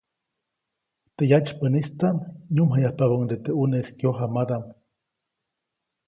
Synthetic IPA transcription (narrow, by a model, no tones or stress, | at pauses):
t̪ejat͡ʃpənist̪amɲumɦajahpaβoŋd̪et̪euneskjoɦamad̪am